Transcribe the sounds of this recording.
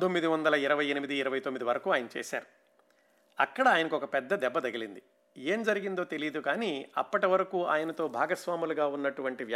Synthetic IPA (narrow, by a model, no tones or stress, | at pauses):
t̪omːid̪iʋɐnd̪ɐlɐiɾɐʋɐjenimid̪iːɾɐʋɐjt̪omːid̪iʋɐɾɐkuːaːjnɐt͡ʃɛ̰ːsa̰ːɾu | ɐ̰kːɐɽaaːjɐnɐkɔkɐpɛd̪ːɐd̪ɛbːɐd̪ɐɡilind̪i | e̞ːmd͡ʒɐɾiɡind̪o̞ːt̪e̞lijd̪ukaːniɐ̰pːɐʈiʋɐɾɐkuːa̰ːjɐnɐt̪o̞ːbʱaːɡɐsʋaːmuluɡaːunːɐʈuʋɐɳʈiʋj